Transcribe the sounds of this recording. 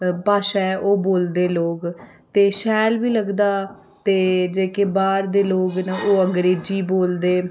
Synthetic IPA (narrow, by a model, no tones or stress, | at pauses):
paːʃaɛʔoːboːld̪eːloːɡ | t̪eːʃɛːlʋiːləɡd̪aː | t̪eːd͡ʒeːkeːbaːɾd̪eːloːɡneʔoːəŋɡɾeːd͡ʒiːboːld̪eː